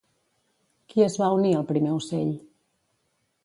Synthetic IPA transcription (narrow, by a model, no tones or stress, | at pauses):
kiəzβauniəlˠpɾimeuseʎ